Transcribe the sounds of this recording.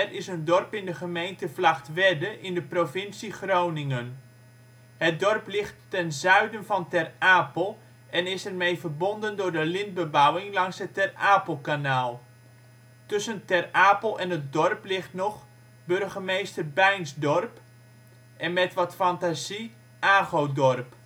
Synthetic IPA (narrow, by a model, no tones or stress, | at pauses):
rɪsəndɔrpɪndəχəmejntəvlaχtʋɛdəʔɪndəprovɪnsiχrownɪŋən | hət̚dɔrplɪχtːɛnzœɥdənvɑntɛraːpəlˠ | ʔɛnɪsɛrmejvərbɔndəndʊːrdəlɪnd̚bəbawɪŋlɑŋsətɛraːpəlˠkanaːlˠ | tɵsəntɛraːpəl̩ˠɛnətdɔrplɪχtnɔχ | bɵrɣəmejstərbɛjnsdɔrp | ʔɛnmɛtʋɔtfɑntazi | ʔaːɣowdɔrp